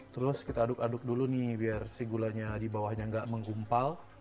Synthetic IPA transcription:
t̪əɾʊskit̪aːdʊkadʊk̚dulunɪhbiarsiɡulaɲadibawahɲaəŋɡaʔməŋɡumpal

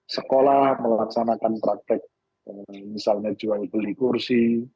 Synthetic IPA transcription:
səkolahməlaksanakant̪ɾak̚t̪ɪk̚ | əmisalɲad͡ʒualbəlikursi

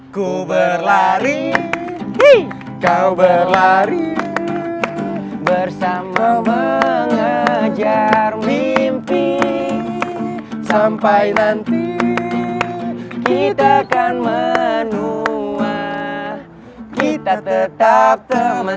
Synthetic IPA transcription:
kubərlaɾi | kawbərlaɾi | bərsamaməŋad͡ʒarmimpi | sampajnant̪i | kit̪akanmənuah | kit̪at̪ət̪ap̚t̪əmə

